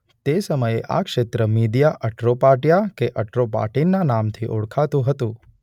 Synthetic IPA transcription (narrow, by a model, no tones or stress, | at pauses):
t̪esəməjeʔa̰kʃet̪ɾəmid̪jaʔəʈɾopaʈjakeʔəʈɾopa̰ʈinːanamt̪ʰiʔoɭkʰat̪ũɦət̪ũ